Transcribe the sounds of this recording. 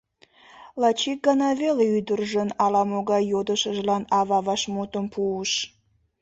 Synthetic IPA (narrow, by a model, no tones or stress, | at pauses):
lɑt͡ɕik̚ɡənɑβeleyd̪ərʒənɑlɑmoɣɑjːod̪əʃəʒlɑnɑβɑβɑʃmut̪əmpʰuəʃ